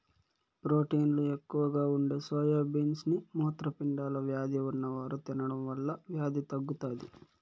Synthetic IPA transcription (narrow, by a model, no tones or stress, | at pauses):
pɾo̞ːʈiːnlue̞kːuʋɐɡaːuɳɖe̞ːsʋɐjaːbiːnsnimuːɐt̪ɾɐpiɳɖaːlɐʋjaːd̪ʱiunːɐʋaːɾut̪inɐɽɐmʋɐɭːɐʋjaːd̪it̪ɐɡːut̪aːd̪i